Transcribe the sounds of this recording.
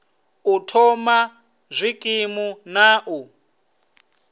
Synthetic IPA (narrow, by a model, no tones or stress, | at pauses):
utʰɔma | zʷikʼimunaːʔu